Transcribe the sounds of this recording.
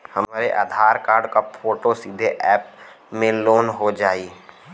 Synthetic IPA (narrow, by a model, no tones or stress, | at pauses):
hɐmaːɾeʔa̰ːd̪ʱaːɾkaːɾɖkapfʰoːʈosiːd̪ʱeʔɛːp | mẽloːnɦod͡ʒaːiː